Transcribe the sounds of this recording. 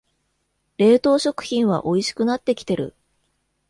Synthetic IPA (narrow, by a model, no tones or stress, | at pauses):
ɾe̞ːt̪o̞ːɕo̞kɯ̟̥çĩɰ̃βa̰ʔo̞iɕi̥kɯ̟nat̪ːe̞kʲi̥t̪e̞ɾɯ̟̰